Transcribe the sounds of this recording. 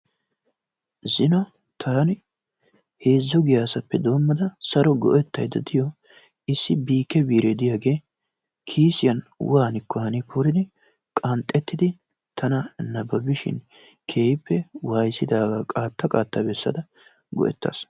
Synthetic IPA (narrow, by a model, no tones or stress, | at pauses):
zɪnɐ | t̪ʰaːnɪ | he̞ːzːɔɡɪjaːsɐpːɛd̪o̞ːmːɐd̪ɐsɐɾɔɡɔ̰ʔɛt̪ːɐjd̪ɐd̪ɪjɔ | ʔɪsːɪbiːkːɛbiːɾed̪ɪjaːɡe̞ː | kʰiːsɪjɐnwaːnɪkːɔhɐnɪpʰɔɾɪd̪ɪ | kʼɐnt̪ʼːɛt̪ːɪd̪ɪ | t̪ʰɐnɐnɐbɐbɪʃɪ̰n | kʰe̞ːjɪpːɛwaːjsɪd̪aːɡaːkʼaːt̪ːɐkʼaːt̪ːɐbɛsːɐ̰d̪ɐ | ɡɔ̰ʔɛ̰t̪ːa̰ːs